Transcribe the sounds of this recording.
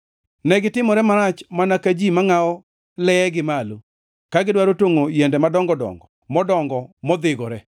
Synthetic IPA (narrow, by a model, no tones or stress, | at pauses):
nɛɡɪtɪmɔɾɛmaɾat͡ʃmanakad͡ʒimaŋaɔ | lɛɡɪmalo | kaɡɪdwaɾotoŋojɛndɛmadɔŋɡɔdɔ̰ŋɡɔ | mɔdɔŋɡɔmɔd̪ɪɡɔɾɛ